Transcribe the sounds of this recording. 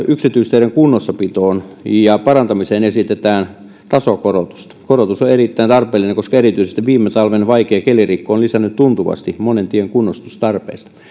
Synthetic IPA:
yksit̪yist̪eiɾeŋkunːosːɑpit̪oːnjɑpɑrɑnt̪ɑmiseːnesit̪et̪æːn | t̪ɑsokorot̪u̥st̪ɑ̥korot̪usoerit̪ːæint̪ɑrpeːlːˑineŋkoskɑerit̪yisest̪iʋʋiːmːet̪ɑlʋenʋɑikeːkelirikːooːnlisænːyt̪tunt̪uʋɑ̰st̪imonent̪ieŋkunːost̪ust̪ɑrpḛːst̪ɑ̥

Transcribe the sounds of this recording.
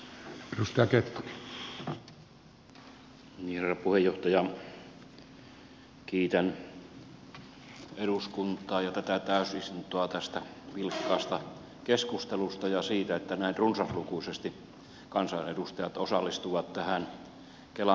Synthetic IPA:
erust̪ɑjɑket̪kui | niːherːˑɑpuhejoht̪ɑjɑ | kiːt̪æn | eɾuskunt̪ˑɑːjɑt̪æt̪æt̪æˑøsist̪unt̪oɑt̪æst̪æʋilkːɑːst̪ɑ | keskust̪elust̪ɑjɑsiːt̪æet̪ːænæˑinrunsɑslukuisest̪i | kɑnsɑnḛdust̪ɑjɑt̪osɑlːist̪uʋɑt̪t̪æhæn | kelɑ

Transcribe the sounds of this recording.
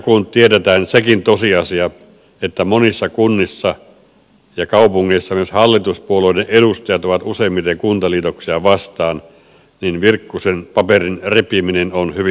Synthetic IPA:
kunt̪ietet̪æːnsekint̪osiɑsiɑ | et̪ːæmonisːɑkunːisːɑ | jɑkɑupuŋːeˑisːɑmyøshɑlːit̪uspuoloˑideʔʔeɾust̪ɑjɑt̪oʋɑt̪useˑimːit̪ɑɑŋkunt̪ɑliːt̪oksiɑʋɑst̪ɑːn | ninʋirkːusenpɑperinrepiminenonhyʋi

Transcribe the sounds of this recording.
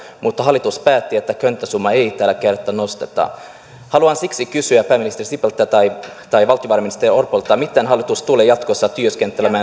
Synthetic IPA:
mut̪ːɑɦɑlːit̪uspæːt̪ːiet̪ːækønt̪ːæsumːɑejt̪æːlækert̪ːænost̪et̪ɑ̰ | hɑluɑnsiksikysyæpæːminist̪erisipelt̪ːæt̪ɑjt̪ɑjʋɑlt̪ijoʋɑrminist̪eriorpolt̪ːˑɑmit̪enɦɑlːit̪ust̪uleːjɑt̪kosːɑt̪yøskent̪ːˑelemæː

